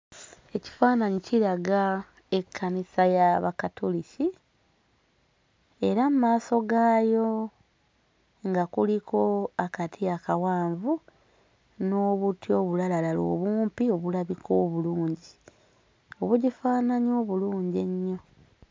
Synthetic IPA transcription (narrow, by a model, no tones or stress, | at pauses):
e̞ci̥faːnaɲiciɾaɡa | e̞kʰːanisajaβakatʰolici | e̞ɾamumaːso̞ɡaːjo̞ | ŋɡakulikʰo̞akatʰijakawaːɱvu | no̞ːβutjo̞ːβulalalalo̰ːβuːmpio̞βulaβikʰo̞ːβuluːɲɟi | oβuɟifaːnaɲoːβuluːɲɟe̞ɲːo̞